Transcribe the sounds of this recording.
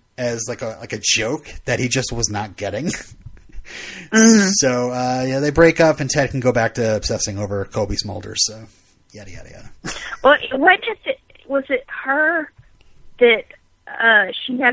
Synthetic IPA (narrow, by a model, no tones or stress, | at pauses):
ɨzlaɪkəla̰ɪkɨd͡ʒoʊk̚ðɨt̚hid͡ʒʌst̚wʌznət̚ɡ̥ɛɾɪ̃ŋ | soʊʌjæðeɪbɹeɪkʌpɨ̃ntʰɛd̚kʰn̩ɡoʊbæk̚tʰɨɨpsɛsɪ̃ŋoʊvə˞kʰoʊbismoʊlˠdə̰˞z̥soʊ | jæɾɨjæ̰ɾ̰jæ̰wɛlˠʔwʌt̚d̥ʒ̥ʌstɪt̚ | wʌzɪt̚hə˞ | ðɨt̚ | ʌʃiɨ